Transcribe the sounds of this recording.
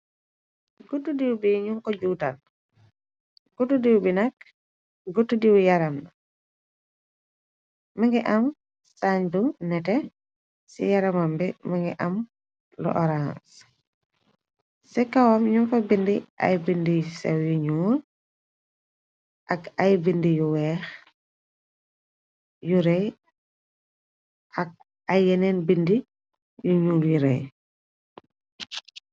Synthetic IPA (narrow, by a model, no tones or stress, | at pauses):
ɡutːudiwbiɲuŋkɔɟutal | ɡ̥utudiwbinɐk̚ | ɡutːudiwjaɾamna | maŋɡɛʔɐm | saɲdunɛtɛ | sḭjaɾamambimaŋɡɛʔɐm | lɔ̰ʔɔɾãns | sɛkawamɲumfɐbindiʔa̰jbindijsɛwjuɲuːl | ʔɐkajbindijuwɛːx | juɾɛj | ʔɐk̚ | ajɛnɛnbindi | juɲuljuɾɛ̰j